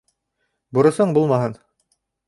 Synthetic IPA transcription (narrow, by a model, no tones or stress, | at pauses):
bŭɾɤ̆sɤɴbulˠmɑɦɤn